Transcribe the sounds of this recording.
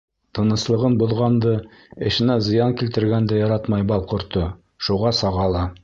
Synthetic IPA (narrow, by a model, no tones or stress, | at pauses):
t̪ɤ̆nɤ̆slˠɤ̆ʁɤnbŏðʁɑnd̪ɤ | ɘ̆ʃɘ̆næzɤ̆jɑŋkilt̪ɘ̆ɾɡænd̪æjɑɾɑt̪mɑjbɑlˠqŏɾt̪o | ʃuʁɑsɑʁɑlˠɑ